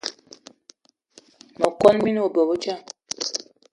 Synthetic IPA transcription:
nɔ˨kɔ˦nmi˦n˦o˨bɔ˨bo˦t͡ʃa˦˨

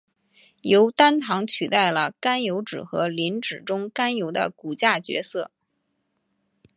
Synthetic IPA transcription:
jo˧˥ʊt̪a˥nt̪ʰɑ˧˥ŋt͡ɕʰy˨˩t̪a˥˩ɪlə˩ka˥njo˧˥ʊʈ͡ʂɻ̩˨˩xɤ̰˧˥li˧˥nʈ͡ʂɻ̩˨˩ʈ͡ʂʊ˥ŋka˥njo˧˥ʊd̪ə̰˧ku˨˩t͡ɕja˥˩t͡ɕɥɛ̰˧˥sɤ˥˩

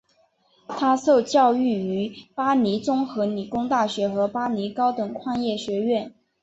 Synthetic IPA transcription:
t̪ʰa˥so˥˧ʊt͡ɕjɑ˥˧ʊy˥˩y˧˥pa˥ni˧˥t͡sʊ˥ŋxɤ˧˥ni˨˩kʊ˥ŋt̪a˥˩ɕɥɛ˧˥xɤ˧˥pa˥ni˧˥kɑ˥ʊt̪ɤ˨˩ŋkʰwɑ˥˧ŋjɛ˥˩ɕɥɛ˧˥ɥɛ˥˩n

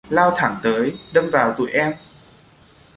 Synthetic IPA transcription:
laː˧wt̪ʰa˧˩ŋt̪əː˨˦jɗə˧mvaː˨˩wt̪ṵ˧˩˦jʔɛ˧m

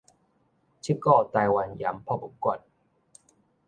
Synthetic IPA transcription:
t͡ɕʰi˦˥kɔː˥˩t̪aː˧jwa˧nja̰˨˦mpʰɔ˥˧˩bu˨˦kɔ˨˩t̚

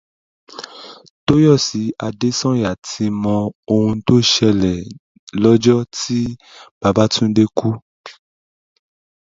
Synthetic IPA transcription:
to˦jɔ˦˨si˨˦a˧de˦sɔ̃˦ja˨tʰi˧mɔ̃˧o˧hũ˧to˦ʃɛ˧lɛ˨ | lɔ˦d͡ʒɔ˦ti˦ | b̥a˧ba˦tʰũ˦de˦ku˦

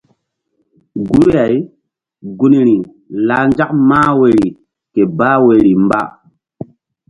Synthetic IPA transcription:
ɡu˦ɾja˨j | ɡu˦ni˨ɾi˨ | la˨˦nd͡ʒa˦kmaː˦we˨ɾi˨ | ke˨ba˦we˨ɾi˨mba̰˦˨

